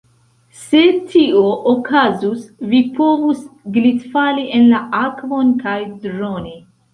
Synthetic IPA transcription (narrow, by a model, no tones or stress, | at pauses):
se̞tʰioʔokʰazusvipo̞vusɡlitfaliʔenlaakvo̞nkajdɾoni